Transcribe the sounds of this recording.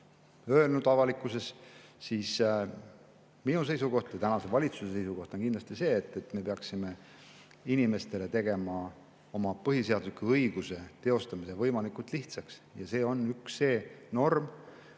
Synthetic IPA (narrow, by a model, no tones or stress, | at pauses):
ø̞elnud̪̥ɑvɑlikːˑuse̞ssiːs | minus̬e̞jsuko̞ht̪jɑt̪ænɑse̞vɑlʲit̪susesejsuko̞ht̪onkind̪lɑst̪ise̞ːt̪ːˑe̞t̪ːˑme̞peɑksime̞ | inime̞st̪e̞let̪e̞ɡe̞mɑ | o̞mɑpɤɦiseɑd̪usi̥kːuɤjɡ̥use̞t̪e̞o̞st̪ɑmise̞vɤjmɑlikˑult̪ˑliht̪sɑksjɑse̞ːo̞nːyksːe̞ːno̞rm